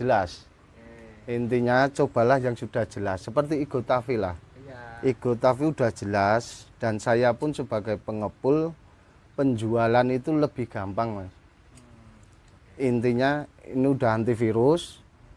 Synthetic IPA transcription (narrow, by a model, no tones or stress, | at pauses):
d͡ʒəlas | int̪iɲat͡ʃob̥a̤lahjaŋsud̥a̤hd͡ʒ̥əlasːəpərt̪iːɡ̥ot̪afila̰hʔiɡ̥o̤t̪afiud̥a̤hd͡ʒ̥əlasd̥ansajapʊnsəb̥a̤ɡ̥ajpəŋəpʊl | pəɲd͡ʒualanit̪uləb̥ɪhɡ̥ampaŋa | int̪iɲaḭniud̥a̤hɦant̪ifiɾʊs